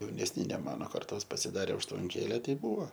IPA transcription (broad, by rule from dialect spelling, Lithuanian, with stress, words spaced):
jɛʊnʲɛsʲˈnʲɪ nʲɛ ˈmɑːnoː kɐrˈtoːs pɐsʲɪˈdɑːrʲeː ʊʃtʋɐŋʲˈkʲeːlʲɛ ˈtʲɛɪ ˈbʊʋoː